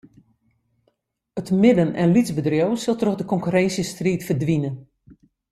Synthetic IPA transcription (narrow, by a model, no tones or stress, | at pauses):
ətmɪdənɛ̰nlizbədrjowsɪlˠtroxdəkɔŋkyɾɛnsjəstriːtfərdʋinən